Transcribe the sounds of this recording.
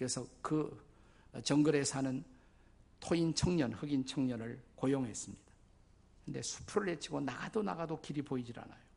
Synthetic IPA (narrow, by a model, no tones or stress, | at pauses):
ɯɾesʰʌkɯ | t͡ɕʌŋɡɯɾe̞sʰanɯn | tʰoint͡ɕʰʌŋɲʌnhɯɡint͡ɕʰʌŋɲʌnɯɭkojoŋɦe̞s͈ɯmɲid̥ḁ | kɯnde̞̰sʰu̥pʰuɾɯɭhet͡ɕʰiɡonaɡadona̰ɡadokiɾiboid͡ʑiɾa̰na̰jo